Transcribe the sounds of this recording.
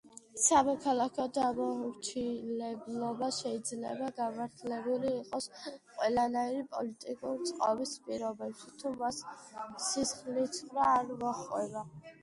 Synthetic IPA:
samɔkʰalˠakʰɔd̪amɔɾt͡ʃʰilɛblˠɔbaʃɛid̪zlɛ̰baɡamaɾt̪ʰlɛbuliːqʼɔsqʼwɛlˠanaiɾipʼɔlit̪ʼikʼuɾt̪sʼqʼa̰bispʼiɾɔbɛpʃit̪ʰumasː | isχlit̪sʰɾaːɾmɔχʼwɛ̰ba

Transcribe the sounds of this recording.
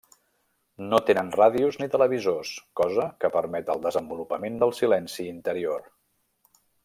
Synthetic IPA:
not̪enənraðiuznit̪ələβ̞izoskɔzəkəpəɾmɛt̪əlˠd̪əzəmbulupəmend̪əlˠsilɛnsiːnt̪əɾior

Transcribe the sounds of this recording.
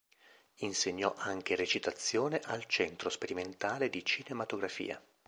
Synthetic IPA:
inseɲːɔʔaŋk̟eret͡ʃit̪at̪sːjoːneʔalt͡ʃɛnt̪ɾospeɾiment̪aːled̪it͡ʃinemat̪oɡɾafḭːa̰

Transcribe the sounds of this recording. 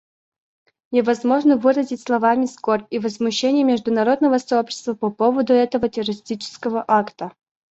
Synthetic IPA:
nʲɪvɐzmo̞ʐnəvɨɾəzʲɪtʲslˠɐvamʲɪskorʲpʲivəzmʊɕːenʲɪjəmʲɪʐd̪ʊnɐɾo̞d̪nəvəsɐopɕɪ̥st̪vəpɐpovəd̪ʊɛt̪əvətʲɪrəɾʲɪsʲtʲit͡ɕɪ̥skəvəʔakt̪ə

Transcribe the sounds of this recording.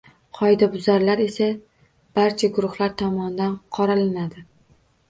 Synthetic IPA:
qʰɒjd̪abʊzaɾlaɾe̞sa | b̥aɾt͡ʃʰaɡʊɾʊχlaɾt̪ʰɒmɒnɪd̪anqʰɒɾalɪnad̪ɪ

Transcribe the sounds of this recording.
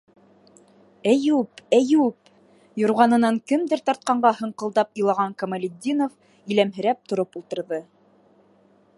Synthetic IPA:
æjupæjup̚ | jŏɾʁɑnɤ̆nɑŋkɘmd̪ɘɾt̪ɑɾt̪̚qɑɴɢɑhɤ̆ɴqɤ̆lˠd̪ɑpɤ̆jlˠɑʁɑŋkɐmɐlʲɪd̪ʲːinof | ilæmɦɘ̆ɾæp̚t̪ŏɾopulˠt̪ɤ̆ɾðɤ

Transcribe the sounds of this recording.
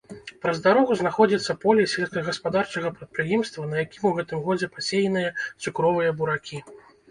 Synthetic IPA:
pɾɐzd̪aɾɔɣuznaxɔd͡zʲit̪sːɐpɔlʲɛsʲelʲskɐɣɐspad̪art͡ʂɐɣɐpɾɐt̪̚pɾɨjɛmst̪vɐnɐjakʲimuɣɛt̪ɨmɣɔd͡zʲɛpasʲejnɨjɐt̪sʲukɾɔvɨjɐbuɾakʲi

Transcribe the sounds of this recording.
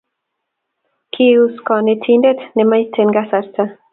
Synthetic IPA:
kʰiuskɔnetʰindetnemajtʰenɡasaɾta

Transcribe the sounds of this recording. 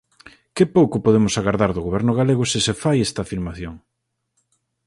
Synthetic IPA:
kɪpowkʊpoðemʊsaɣaɾðaɾðʊɣoβ̞ɛɾnʊɣ̞aleɣ̞ʊsɪsefajest̪ɐaːfiɾmaθjoŋ

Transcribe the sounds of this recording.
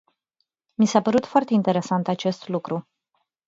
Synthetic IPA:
misapəɾut̪foart̪e̞int̪e̞ɾe̞sant̪at͡ʃe̞st̪lukɾu

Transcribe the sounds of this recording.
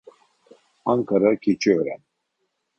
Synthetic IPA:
aŋkʰaɾakʲʰit͡ʃʰiøɾɛn

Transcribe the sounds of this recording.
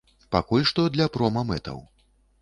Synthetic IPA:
pakulʲʂt̪ɔd̪lʲɐpɾɔmɐmɛt̪ɐ̰w

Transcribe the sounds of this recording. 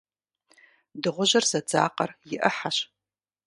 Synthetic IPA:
dɨʁʷʊʑɐrzɐd͡zaːqɐrjɪʔɐħaɕ

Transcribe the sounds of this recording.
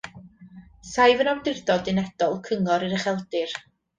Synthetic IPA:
sajvənɔwdɪrdɔdɪnɛd̥ɔlˠkʰəŋɔɾɨɾəχɛlˠdɨr

